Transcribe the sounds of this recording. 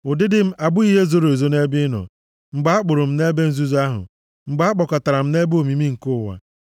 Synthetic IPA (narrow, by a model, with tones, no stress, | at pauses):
ʊ˨dɪ˦dɪ˦m̩˦a˨bʊ˦i˦ɦe˦zo˦ɾo˨zo˦ne˦bɪ˦nɔ̰˨ | ŋ͡m̩˨ɡ͡ba˦a˦k͡pʊ˨ɾʊ˨m̩˦ne˦be˦n̩˨zu˦za˦ɦʊ̰˨ | ŋ͡m̩˨ɡ͡ba˦a˦k͡pɔ˨ka˨ta˨ɾa˨m̩˦ne˦bo˨mi˨mi˦ŋ̩˨kʊ˦˨wa̰˨